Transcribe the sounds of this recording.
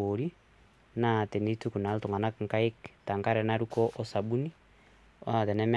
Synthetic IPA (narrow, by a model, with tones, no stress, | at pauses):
oɾi˦ | na˦˨tɛ˨ni˦tu˦ku˨na˨lu˦tɔ˨ŋɡa˨na˦kŋka˦e˦kta˨ŋka˦ɾɛ˨na˦ɾukɔʔɔ˦sa˨ɓu˦ni˦ | ɔ˦a˨tɛ˨nɛ˦mɛ